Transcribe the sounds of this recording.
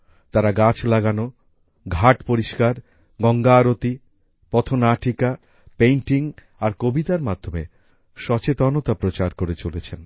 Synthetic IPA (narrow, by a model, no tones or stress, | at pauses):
t̪aɾaɡat͡ɕʰlaɡano | ɡʱaʈpoɾiʃkaɾ | ɡɔŋɡaːɾot̪i | pɔt̪ʰonaʈʰika | pejɳʈiŋ | aɾkobit̪aɾmad̪ʱːome | ʃɔt͡ɕet̪ɔnot̪apɾot͡ɕaɾkoɾet͡ɕolet͡ɕʰen